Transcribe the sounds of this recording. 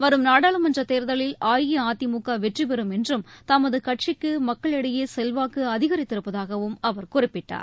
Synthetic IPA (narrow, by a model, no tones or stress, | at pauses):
ʋɐɾɯmnaːɽaːɭɯmɐndrɐt̪eːɾðɐɭɪlaːjiaːt̪ːimukːaːʋɛʈripɛɾɯmɛndrɯmt̪ɐmɐðɯkɐʈ̚t͡ʃɪkːɯmɐkːɐɭɛɽɐjeːsɛlʋaːkɯɐðɪɣɐɾɪt̪ːɪɾɯpːɐðaːɣɐʋɯmɐʋɐɾkʊrɪpːɪʈːa̰ːɾ